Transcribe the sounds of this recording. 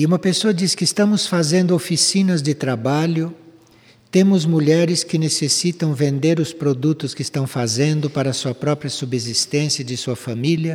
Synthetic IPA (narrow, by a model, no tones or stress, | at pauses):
ɪũmɐpesoɐd͡ʒiskɪst̪ɐ̃mʊsfazẽnd̪ʊofisĩnɐzd͡ʒɪt̪ɾabaʎʊ | t̪ẽmʊzmuʎɛɾɪskɪnesesit̪ɐ̃w̃vẽnd̪eɾʊspɾod̪ut̪ʊskɪst̪ɐ̃w̃fazẽnd̪ʊpaɾɐsuɐpɾɔpɾjɐsubezist̪ẽsiɐd͡ʒɪsuɐfamiljɐ